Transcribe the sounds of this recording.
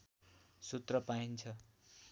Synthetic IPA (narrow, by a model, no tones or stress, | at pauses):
sut̪rʌpaint͡sʰʌ